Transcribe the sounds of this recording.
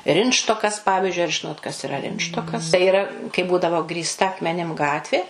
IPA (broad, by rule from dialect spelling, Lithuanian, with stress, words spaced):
ˈrʲɪntʃtoːkɐs ˈpɑːʋʲɪʒʲʊɪ ɐr ˈʒʲɪnoːt kɐs ɪˈrɐ ˈrʲɪntʃtoːkɐs tɐɪ iːˈrɐ kɐɪ ˈbuːdɐʋoː ɡrʲiːsˈtɐ ɐkmʲɛˈnʲɪm ˈɡɑːtʲʋʲeː